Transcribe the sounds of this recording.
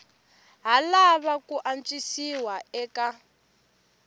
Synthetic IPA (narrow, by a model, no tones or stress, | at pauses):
ɦalaβakuʔant͡ʃʼisiwaɛːka